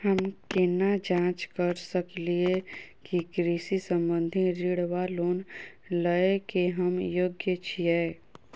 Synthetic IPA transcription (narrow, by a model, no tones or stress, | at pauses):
həmkenad͡ʒãːt͡ʃkəɾsəkliekiɡɾisisə̃mbə̃nd̪ʱiɾiɽwaloːn | ləekeɦəmjoːɡjət͡ʃʰiɛː